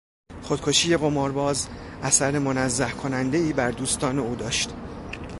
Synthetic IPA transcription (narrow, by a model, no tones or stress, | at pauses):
χo̞d̪̚kʰo̞ʃiːje̞ɣo̞mɒːɾbɒːzʔæsæɾe̞mo̞næzːæhkʰo̞nænd̪e̞iːbæɾd̪uːst̪ɒːne̞uːd̪ɒːʃt̪